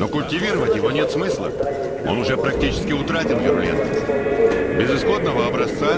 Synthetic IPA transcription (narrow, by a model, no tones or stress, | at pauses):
no̞kʊlʲtʲɪvʲiɾəvətʲjɪvo̞nʲe̞t̪smɨslˠə̰ | o̰nʊʐɛpɾɐk̚tʲit͡ɕɪ̥skʲɪʊt̪ɾatʲɪlvʲɪɾʊlʲḛnt̪ə | bʲɪzɨsxo̞d̪nəvəɐbɾɐst̪sa